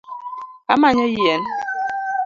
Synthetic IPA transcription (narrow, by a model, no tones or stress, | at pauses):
amaɲɔjjɛn